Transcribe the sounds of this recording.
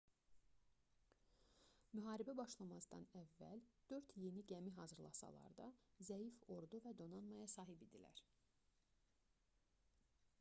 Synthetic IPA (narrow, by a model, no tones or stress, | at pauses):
myɦɑːɾibæbɑʃlˠɑmɑzd̪ɑ̰nævːæ̰ld̪̥ø̞ɾt̪je̞niɟæmiɦɑzɯɾlˠɑ̰sɑ̰lˠɑ̰ɾd̪ɑzæjifo̞ɾd̪uvæd̪o̞nɑnmɑjɑsɑːɦibid̪ilæ̰ɾ